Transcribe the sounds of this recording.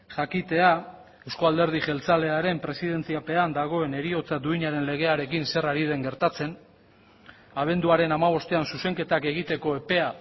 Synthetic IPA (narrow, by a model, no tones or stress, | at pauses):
ʝakit̪e̞a | e̞wskoald̪e̞ɾð̞ixe̞lt͡saleaɾe̞mpɾe̞siðe̞nt͡siape̞and̪aɣ̞o̞e̞ne̞ɾio̞t͡sad̪uiɲaɾe̞nle̞ɣ̞e̞aɾe̞kinse̞raɾið̞e̞ŋɡe̞ɾt̪at͡se̞n | aβ̞e̞nd̪uaɾe̞namaβ̞o̞st̪e̞ansuse̞ŋke̞t̪ake̞ɣit̪e̞ko̞e̞pe̞a